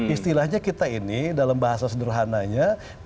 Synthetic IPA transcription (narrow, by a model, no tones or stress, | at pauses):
ist̪ilahɲakit̪ainidalambaɦasasədərɦanaɲa